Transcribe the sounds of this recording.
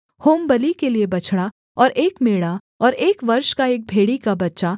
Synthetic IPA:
hoːmbəlikeliebɐt͡ʃʰɽ̃a | ɔːɾeːkmeːɽa | ɔːɾeːkʋɐɾʃkaeːk̚bʱeːɽikabɐtːʃa

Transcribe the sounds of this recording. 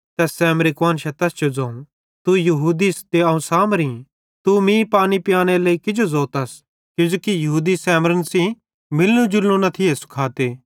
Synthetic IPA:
t̪ɛːsɛːmɾikʋaːnʃɐt̪ɛːsd͡ʒod͡zãːũ | t̪ujɐɦuːd̪ist̪eɐũsaːmɾĩ | t̪umĩpaːñipɪjaːɽ̃elɐːikɪd͡ʒozoːt̪ɐs | kjũd͡ʒoːkijɐɦuːd̪isɛːməɾənsĩ | mɪlnũd͡ʒʊlnũnɐt̪ʰɪesʊ̥kʰaːt̪eː

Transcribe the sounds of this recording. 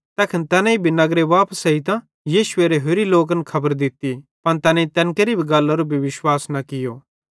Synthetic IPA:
t̪ɛːkʰənt̪ɛːnãibʱinɐɡɾeʋaːpəsɐɦit̪ã | jiːʃʊeɾeɦʊɾiloːk̬ənkʰɐbəɾd̪ɪt̪ipɐnt̪ɛːnãit̪ɛ̃ːnkeɾibʱiɡɐlːaɾobʱiʋɪʃwaːsnɐkɪjoː

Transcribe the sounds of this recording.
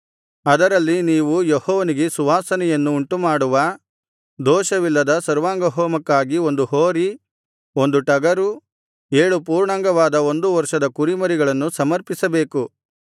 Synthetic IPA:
ɐd̪ɐɾɐlːiniːʋujehɔːʋɐniɡe̞suʋaːsɐnɛjɐnːuːɳʈumaːɽuʋɐ | d̪ɔːʃɐʋilːɐd̪ɐsɐɾʋaːŋɡɐɦɔːmɐkːaːɡio̞nd̪uhoːɾi | o̞nd̪uʈɐɡɐɾu | eːɭupuːɾɳaːŋɡɐʋaːd̪ɐo̞nd̪uʋɐɾʂɐd̪ɐkuɾimɐɾiɡɐɭɐnːusɐmɐɾpisɐbe̞ːku

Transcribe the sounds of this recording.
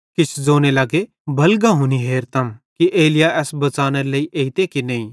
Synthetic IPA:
kɪt͡ʃʰzoːnelaɡe | bɐlɡaɦuniɦeːɾt̪ɐmkiʔeːlɪjaɛːsbɐt͡saːnəɾləiʔeːit̪ekinɐĩː

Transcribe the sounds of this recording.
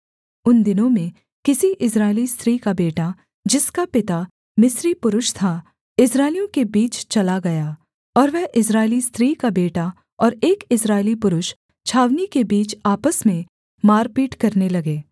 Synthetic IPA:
ʊnd̪ɪnõmẽ | kɪsiʔɪsɾaːɪlist̪ʰɾiːkabeːʈa | d͡ʒɪskapɪt̪a | mɪsɾipʊɾʊʃt̪ʰa | ɪsɾaːɪlijõkebiːt͡ʃt͡ʃɐlaɡɐjaː | ɔːɾʋɛɦʔɪs̬ɾaːɪlist̪ɾiːkabeːʈa | ɔːɾeːkɪsɾaːɪlipʊɾʊʃ | t͡ʃʰaːʋnikebiːt͡ʃaːpəsmẽ | maːɾpiːʈkɐɾnelɐɡeː

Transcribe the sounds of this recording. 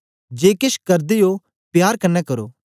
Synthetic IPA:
d͡ʒeːkɪʃkɐɾd̪ejo | pjaːɾkɐnːɛkɐɾo̰ː

